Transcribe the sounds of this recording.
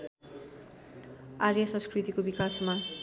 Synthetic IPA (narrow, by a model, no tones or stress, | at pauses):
aɾjʌsʌ̃nskrit̪ikobikasma